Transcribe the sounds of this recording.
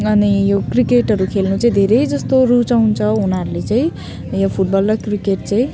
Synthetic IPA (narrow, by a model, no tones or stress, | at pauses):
ʌnijokrikeʈʌɾukʰelnut͡saĩd̪ʱeɾʌjd͡zʌst̪orut͡saunt͡sʰʌɦunaɾulet͡saĩ | jopʰuʈ̚bʌlːʌkrikeʈ̚t͡saĩ